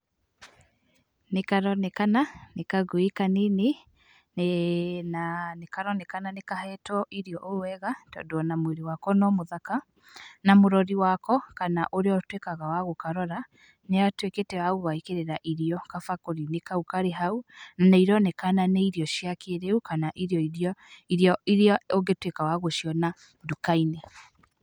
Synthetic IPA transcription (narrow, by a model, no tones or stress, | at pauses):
nekaɾɔnɛkananekaɣoekanene | nanekaɾɔnɛkananekahɛtɔʔiɾiɔʔowɛɣatɔ̰doɔnamweɾewakɔnɔmoðaka | namoɾɔɾiwakɔkanaʔoɾeɔtwekaɣawaɣokaɾɔɾa | neatweketɛwaɣoɣaikeɾeɾaʔiɾiɔkafakoɾinekaukaɾeɦaunanaiɾɔnɛkananeiɾiɔʃiakʰeɾeukanaʔiɾiɔiɔiɾiɔiɾeɔoŋɡetwekawaɣoʃiɔna | dukainɛ